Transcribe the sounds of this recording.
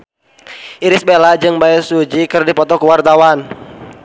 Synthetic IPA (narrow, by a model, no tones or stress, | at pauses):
ʔiɾɪsbelad͡ʒɨŋbaɛsud͡ʒikɨrdipɔt̪ɔkuwart̪awan